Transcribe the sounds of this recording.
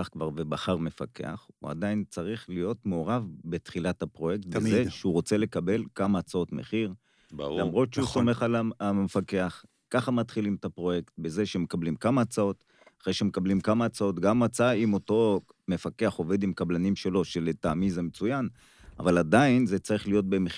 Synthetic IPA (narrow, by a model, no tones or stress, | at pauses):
aχkvaʁvebaχaʁme̞fake̞̰a̰χṵa̰d̪aint͡saʁiχlijo̞tmeoʁavbet̪χilatapʁo̞je̞kt̪̚bzeʃeuʁo̞t͡se̞le̞kabe̞lkamaːt͡sao̞tme̞̰χiʁ | lamʁo̞t̪ʃeuso̞me̞χalamefake̞aχ | kaχamat̪χilimt̪apʁo̞je̞ktbe̞ze̞ʃeme̞kablimkamaːt͡sao̞t̪ | aχʁejʃeme̞kablimkamaːt͡sao̞t̪ɡamːat͡saimo̞to̞ | me̞fake̞aχo̞ved̪imkablanimʃe̞lo̞ʃeletaːmizemet͡sujan | a̰valadainze̞t͡saʁiχlijo̞t̪̚be̞me